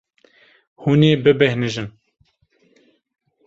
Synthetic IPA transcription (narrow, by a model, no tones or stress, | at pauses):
huːneːbɨbɛhnɨʒɨn